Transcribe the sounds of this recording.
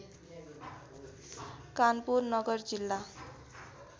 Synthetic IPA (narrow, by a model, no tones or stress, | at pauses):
kanpurnʌɡʌrd͡zilːa